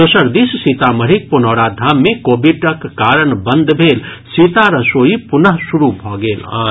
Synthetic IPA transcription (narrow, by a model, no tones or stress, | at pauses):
d̪osəɾd̪issit̪aməɾik̚punɔːɽad̪ʱaːmːẽkoːbʱiɖɐkːaːɾəɳbənd̪ʱbʱeːlsiːt̪aɾɐsoːipʊnəɦsuɾubʱɔːɡeːla̰ː